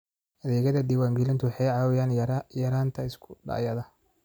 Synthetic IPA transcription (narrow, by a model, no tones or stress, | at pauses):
ʔɐðɛːɣɐðɐd̪ɪwaːŋɡɛlɪnt̪ʰʊwɑħɑjʕɑːwɪjaːnjɐɾaːnt̪ʰɐɪskʰʊ̥ɖa̰ːjɐðɐ